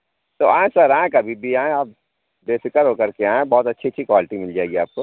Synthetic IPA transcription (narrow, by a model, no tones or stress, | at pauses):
t̪oãːẽsɐɾãːẽkɐbʱibʱiaːẽaːp̚ | beːfɪkəɾɦoːkəɾkeaːẽbɔːt̪ɐtːʃʰitːʃʰikwaːlɪʈimɪld͡ʒaːeɡiaːp̚ko